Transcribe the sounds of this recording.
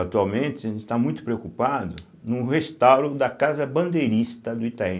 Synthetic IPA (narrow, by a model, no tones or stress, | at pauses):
at̪uawmẽnt̪ɪɪst̪amũj̃t̪ʊ̥pɾeokupad̪ʊ | nʊ̃hest̪awɾʊd̪ɐkazɐbɐ̃nd̪ejɾist̪ɐd̪ʊit̪aẽ